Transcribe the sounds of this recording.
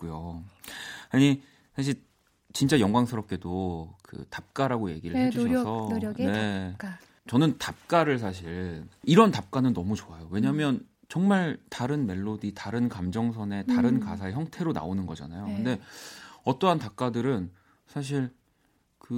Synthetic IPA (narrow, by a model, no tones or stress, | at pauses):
k͈ujo | aɲi | sʰaɕ̬ʰiɭ | t͡ɕint͡ɕ͈ajʌŋɡwaŋsʰɯɾʌp̚k͈e̞dokɯ̰tap̚k͈aɾaɡoje̞̰ɡiɾɯɭekʰisʰʌne̞ | t͡ɕʌnɯntap̚k͈aɾɯɭsʰaɕ̬ʰiɭiɾʌntap̚k͈anɯnːʌmut͡ɕoajowe̞ɲaɦmjʌn | t͡ɕʌŋmaɭtaɾɯnme̞ɭːoditaɾɯnkamd͡ʑʌŋsʰʌne̞taɾɯnkasʰae̞çjʌŋtʰe̞ɾona̰onɯnɡʌd͡ʑa̰najokɯnde̞ʌt͈ʌɦantap̚k͈adɯɾɯn | sʰaɕ̬ʰiɭ | kɯ